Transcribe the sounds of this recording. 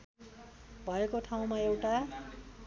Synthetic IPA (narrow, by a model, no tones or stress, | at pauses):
bʱʌekoʈʰaw̃maewʈa